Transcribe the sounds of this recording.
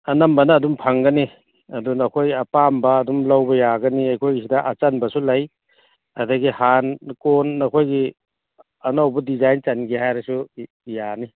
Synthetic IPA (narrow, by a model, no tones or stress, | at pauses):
ɐnɐmbɐnɐːdumpʰɐŋɡɐni | ɐdunɐkʰojɐpambɐːdumlɐwbɐjaɡɐniajkʰojis̬idɐʔɐt͡ʃɐnbɐsulɐj | ɐdɐɡihankonːɐkʰojɡi | ɐnawbɐdizajnt͡ʃɐnɡihajɾɐsu | jani